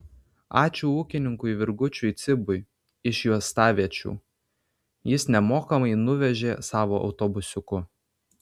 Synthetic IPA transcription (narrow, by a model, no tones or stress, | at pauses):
ɑːt͡ʃʲuːuːkʲɪnʲɪŋkʊɪʋʲɪɾɡʊt͡ʃʲuɪt̪sʲɪbʊj | ɪʃjuɔst̪ɑːʋʲiɛt͡ʃʲṵː | jɪsnʲɛmoːkɐmɐɪnʊʋʲɛʒʲeːsɑːʋoːʔɒ̰ʊt̪obʊsʲʊkʊ